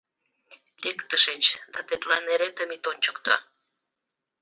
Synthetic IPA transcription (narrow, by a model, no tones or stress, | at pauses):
lekt̪əʃet͡ɕd̪ɑt̪et̪lɑneɾet̪ə̆mit̪onʲt͡ɕə̥kt̪ɑ̰